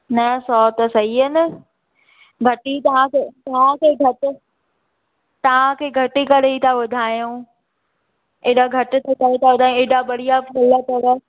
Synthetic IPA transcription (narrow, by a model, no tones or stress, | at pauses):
nɐsɔːt̪əsɐɦiənɪ | ɡʱɐʈit̪ɐʋãkeːt̪ɐʋ̤ãkʰeːɡʱɐʈɪ̆ | t̪ɐʋ̤ãkʰeːɡʱɐʈikɐɽeit̪ʰaʋʊd̪ʱaːjũ | eːɗaɡʱɐʈɪ̆t̪ʰɐkɐɾet̪ʰaʋʊd̪ʱãeːɗabɐɽ̤ijapʰɐləpɐʋə